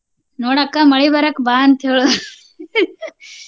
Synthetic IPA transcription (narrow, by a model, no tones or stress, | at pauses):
noːɽɐkːamɐɭibɐɾɐkbaːnt̪ʰeɭ